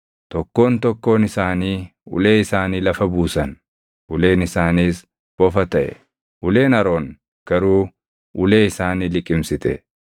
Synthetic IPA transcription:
t̪ɔkːo̞ːnt̪ɔkːo̞ːnɪsaːniːʊ̰le̞ːɪsaːniːlɐfɐbuːsɐn | ʔʊle̞ːnɪsaːniːs | b̥ɔfɐt̪ɐʔɛ̰ | ʔʊleːnɐɾo̞ːŋ | ɡ̥ɐɾuː | ʔʊle̞ːɪsaːniːlɪkʼːɪmsɪt̪ɛ̰

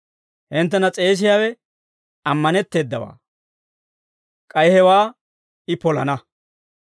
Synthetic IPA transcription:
hɪnt̪ːɛnɐt͡sʼe̞ːs̬ɪjaːwɛ | ɐmːɐnɛt̪ːe̞ːd̪ːɐwa̰ː | kʼɐjhɛwaː | ɪpɔlɐnɐ

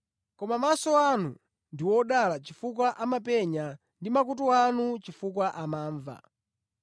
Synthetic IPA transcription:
kɔmamasɔanu | ndiwɔɗalat͡ʃifuk̬waʔamapɛɲa | ndimak̬ut̬uanut͡ʃifuk̬waʔamaːɱva̰

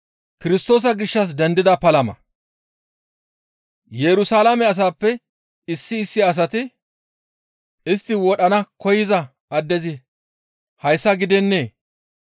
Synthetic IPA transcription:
kɪɾɪst̪o̞ːs̬ɐɡɪʃːɐs̬d̪ɛnd̪ɪd̪ɐpɐlɐmɐ̰ | jɛɾʊsaːlamɛɐs̬aːpːɛ | ɪsːɪːsːɪɐs̬ɐt̪ɪ | ɪst̪ːɪwɔɗɐnɐkɔjɪzɐ | ɐd̪ːɛzɪ | hɐjsːɐɡɪd̪ɛnːe̞ː

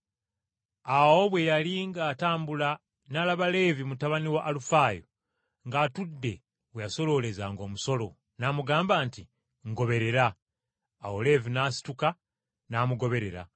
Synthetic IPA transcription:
awo̞βwe̞jaliŋɡaːtaːmbula | nalaβale̞ːvimutaβaniwaʔːlufaːjo̰ | ŋɡaːtudːe | wejaso̞lo̞le̞zaŋɡo̞ːmuso̞lo̞ | naːmuɡaːmbaːnti | ŋɡo̞βe̞ɾe̞ɾaː | wole̞ːvinaːsi̥tuka | naːmuɡo̞βe̞ɾe̞ɾa̰

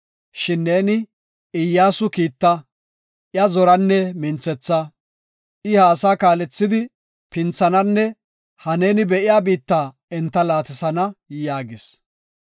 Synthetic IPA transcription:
ʃɪnːeːnɪ | ɪjːaːsʊkiːt̪ːɐ | ʔjɐzɔɾɐnːɛmɪnt͡sɛt͡sːɐ | ʔɪhaːsaːkaːlɛt͡sːɪd̪ɪ | pɪnt͡sːɐnɐnːɛ | hɐneːnɪbɛʔɪjaːbiːt̪ːaː | ɛnt̪ːɐlaːt̪ɪsɐnɐjaːɡɪs

